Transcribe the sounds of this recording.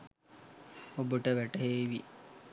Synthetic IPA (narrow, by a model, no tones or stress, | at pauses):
obəʈəʋæʈəɦeːʋi